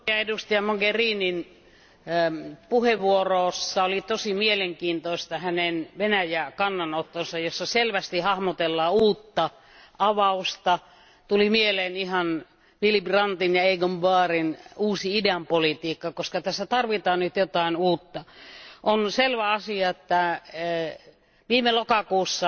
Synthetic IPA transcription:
jɑedust̪ɑjɑmoɡeriːnin | puheʋʋuoroːsːɑolit̪osimieleŋkiːnt̪oist̪ɑhænenʋenæjækɑnːɑnot̪ːonsɑjjosːɑselʋæst̪ihɑhmot̪elːɑːuːt̪ːɑ | ʔɑʋɑust̪ɑ | t̪ulimieleːnihɑn | filiprɑnt̪injɑeiɡombɑːrinuːsiidæmpolit̪iːkːɑkoskɑt̪æsːæt̪ɑrʋit̪ɑːnnyt̪jot̪ɑinuːt̪ːɑʔonselʋæɑsiɑet̪ːæ | ʋiːmelokɑkuːsːɑ

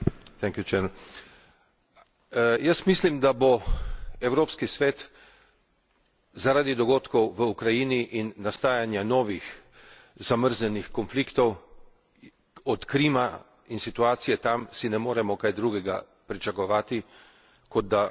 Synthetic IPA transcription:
t̪ɛŋkjut͡ʃɛɾ | jəsmislimd̪abo | ɛwɾoːpskisʋeːt̪ | zaɾaːd̪id̪ɔɡoːt̪kɔwʋəukɾajiːniʔinːast̪aːjanjanɔːʋix | zaməɾznɛnixkɔnflikt̪ɔw | ɔt̪kɾiːma | insit̪uaːt̪sijɛt̪amsinɛmoːɾɛmɔkajd̪ɾuːɡɛɡa̰ | pɾit͡ʃakɔʋaːt̪i | kɔd̪̚d̪a

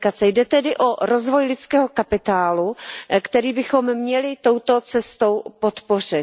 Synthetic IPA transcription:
kat͡sɛjdɛt̪ɛdɪʔo̞ɾozvo̞jlɪt͡skɛːɦo̞kapɪt̪aːlukt̪ɛɾiːbɪxo̞mːɲɛlɪt̪o̞wt̪o̞t͡sɛst̪o̞wpo̞t̪po̞r̝ɪ

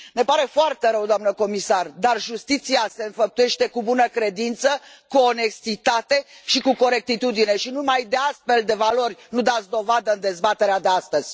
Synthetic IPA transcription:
ne̞paɾe̞foart̪e̞ɾəwd̪oamnəko̞misard̪arʒust̪it̪siase̞ɨnfəp̚t̪uje̞ʃt̪e̞kubunəkɾe̞d̪int̪sə | kuone̞st̪it̪at̪e̞ʃikuko̞ɾe̞k̚t̪it̪ud̪ine̞ʃinumajd̪e̞ast̪fe̞ld̪e̞valo̞rʲnud̪at̪sʲd̪o̞vad̪əɨnd̪e̞zbat̪eɾead̪east̪əz̥ʲ

